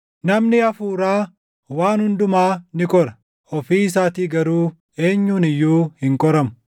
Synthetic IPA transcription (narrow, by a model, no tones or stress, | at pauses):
nɐmnɪɐfuːɾaː | waːnhʊnd̪ʊmaːnɪkʼɔɾɐ | ɔfiːs̬aːt̪iːɡɐɾuː | e̞ːɲːuːnɪjːuːhɪŋkʼɔɾɐmʊ̥